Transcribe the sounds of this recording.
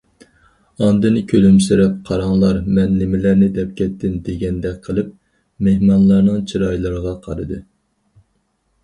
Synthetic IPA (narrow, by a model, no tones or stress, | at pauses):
ɑnd̪ɨnɪkʲʰølymsɪɾɛp̚qʰɑɾɑŋlˠɑɾmɛnːɪmɪlæɾnɪd̪ɛp̚kʲʰɛt̪ʰːɪnd̪eɡʲɛnd̪ɛkʲqʰəlˠɨp̚ | mehmɑnlˠɑɾnɨŋt͡ʃʰiɾɑjlˠɨɾɨʁɑqʰɑ̰ɾɨd̪ɨ